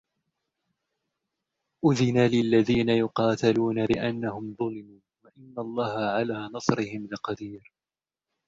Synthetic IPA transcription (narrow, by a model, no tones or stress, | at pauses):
ʔʊðɪnaːlɪlːaðiːnajʊqɑːt̪aluːnalɪʔanːahʊmðˤʊlɪmuːnwaʔɪnːalˤːɑːhaʕalaːnɑsˤɾɪhɪmlɪqɑd̪iːɾ